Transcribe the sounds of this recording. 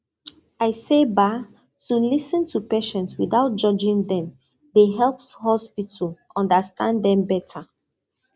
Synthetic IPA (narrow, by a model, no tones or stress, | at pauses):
aɪseba | sũnlisə̃ntʰupeʃɛ̃ntswiðaʊt̚d͡ʒʌd͡ʒĩŋðɛ̃m | ðeɦɛlˠpshɔspitʰəlɔ̃ndəstãnddɛ̃mbɛtʰə